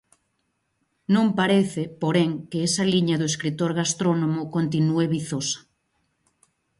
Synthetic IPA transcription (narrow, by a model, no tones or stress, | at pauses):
nõmpaɾeθepoɾeŋkeesaliɲaðoeskɾit̪oɾɣast̪ɾonõmokont̪̬inueβiθosḁ